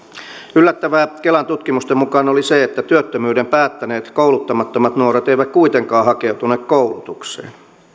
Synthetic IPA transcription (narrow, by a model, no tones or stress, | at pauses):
ylːæt̪ːæʋæːkelɑnt̪ut̪kimust̪emukɑːnoliseet̪ːæt̪yøt̪ːømyːdempæːt̪ːæneːt̪kouwlut̪ːɑmɑt̪ːomɑt̪nuoɾet̪eiʋækkuit̪eŋkɑːhɑkeut̪uneːkkoulut̪uksḛːn